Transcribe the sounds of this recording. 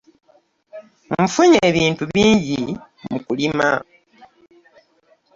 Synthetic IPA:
m̩fuɲeːβiːntuβiːɲɟi | mukulima̰

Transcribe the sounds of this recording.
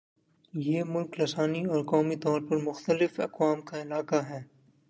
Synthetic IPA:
jeːmʊlklɐsaːniɔːɾkɔːmit̪ɔːɾpɐɾmʊxt̪əlɪfɐkwaːmkaɪlaːkaɦɛː

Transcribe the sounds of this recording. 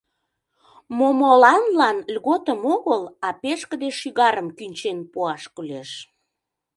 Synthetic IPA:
momolɑnlɑnlʲɣot̪əmoɣəlɑpeʃkəd̪eʃyɣɑɾəmkynʲt͡ɕenpuɑʃkuleʃ

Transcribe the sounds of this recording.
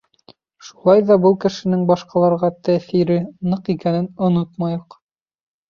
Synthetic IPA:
ʃu̥lˠɑjðɑbɤlˠkɘ̆ʃɘ̆nɘŋbɑʃqɑlˠɑɾʁɑt̪æθiɾɘnɤqikænɘnŏnot̪mɑjoq

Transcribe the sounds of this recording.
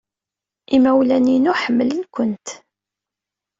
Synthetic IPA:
ʔimæwlæninuħəmːələnkʷənt̪

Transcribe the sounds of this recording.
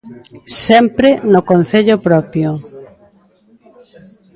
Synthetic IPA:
sɛmpɾenʊkon̟θeʎopɾɔpjo

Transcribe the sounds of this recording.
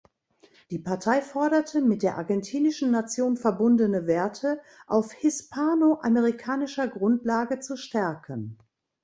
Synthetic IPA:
d̥iːpaɐtʰaɪfɔɐɾɐtʰəmɪt̚d̥eːɐʔaɐɡɛntʰiːnɪʃn̩nat͡sjoːnfɛɐbʊndənəveːɐtʰə | ʔaʊfhɪspʰaːnoʔaməʁikʰaːnɪʃɐɡʁʊntlaːɡət͡suʃtɛɐkʰən

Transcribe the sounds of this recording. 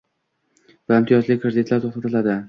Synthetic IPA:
vaɪmt̪ʰijɒzlɪkʰɾed̪ɪt̪ʰlaɾt̪ʰoχt̪ʰat̪ʰɪlad̪ɪ

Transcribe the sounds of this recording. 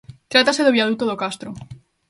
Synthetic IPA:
t̪ɾat̪aseðoβjaðut̪oðokast̪ɾo

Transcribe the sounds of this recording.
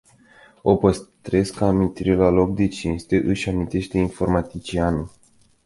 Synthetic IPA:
o̞pəst̪ɾe̞skamint̪iɾelalo̞k̚d̪e̞t͡ʃinst̪eʔɨʃʲamint̪e̞ʃt̪e̞info̞rmat̪it͡ʃianu

